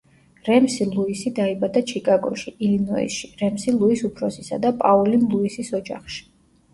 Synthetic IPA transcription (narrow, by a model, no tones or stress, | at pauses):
ɾɛmsilˠuisid̪aibad̪at͡ʃʰikʼaɡɔ̰ʃiʔilinɔḭʃiɾɛmsilˠuisupʰɾɔsisa̰d̪apʼaulinlˠuisisɔd͡ʒa̰χʃi̥